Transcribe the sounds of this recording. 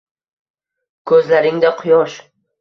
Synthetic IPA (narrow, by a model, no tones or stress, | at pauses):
kʰɵzlaɾɪŋd̪aqʰʊjɒʃ